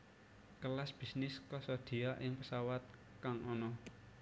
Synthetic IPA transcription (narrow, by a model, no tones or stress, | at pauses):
kəlasb̥i̤snɪskɔsɔd̪̥iaʔɪŋpəsawat̪̚ | kaŋʔɔnɔ